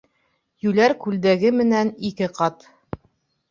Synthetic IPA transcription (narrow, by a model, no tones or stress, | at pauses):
jʉlæɾkʉld̪æɡɘmɘ̆nænikɘqɑt̪